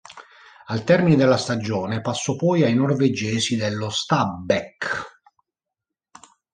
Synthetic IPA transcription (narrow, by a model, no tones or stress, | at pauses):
alt̪ɛrmined̪elːast̪ad͡ʒɔːnepasːɔpɔjajnorved͡ʒɛːsid̪elːost̪abɛk